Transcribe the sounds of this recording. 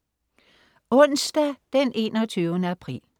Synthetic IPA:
ɔ̽nsd̥æd̥enʔe̝̰ːnɒ̽t͡sʰyːʊənəæpʰʁḭːl

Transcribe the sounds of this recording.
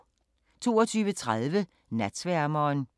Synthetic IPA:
t͡sʰo̝̰ːɒt͡sʰyːʋət͡sʰʁaðˠʋə | næd̥sʋæɐmɒːn

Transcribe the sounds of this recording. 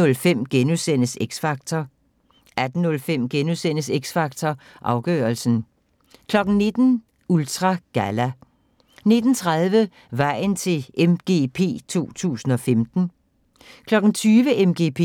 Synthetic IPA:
ɔlfem̰ɡ̥enusen̰əseɡ̥sfɑ̈ɡ̥t͡sʰɒ | æd̥n̩nɔ̽lfem̰ɡ̥enuðˠsen̰əseɡ̥sfɑ̈ɡ̥̚t͡sʰɒ | ʔɑ̈ʊɡ̥œ̰ːɐlsn̩ | kʰlɒ̽ɡ̥n̩ne̝d̥n̩ | ult͡sʰʁɑ̈ɡ̥ælæ | ne̝d̥n̩t͡sʰʁaðˠʋə | ʋɑ̈ɪ̰n̩t͡sʰe̝lemɡ̥e̝̰pʰe̝̰ːt͡sʰo̝̰ːt͡sʰṵːsn̩ɒ̽femd̥n̩ | kʰlɒ̽ɡ̥n̩t͡sʰyːʋəʔemɡ̥e̝̰ːpʰe

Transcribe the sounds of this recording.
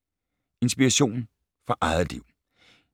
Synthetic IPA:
e̝nsb̥iʁaɕo̝̰ːn̩ | fɒʔɑ̈ɪð̩ˠliʊ̰

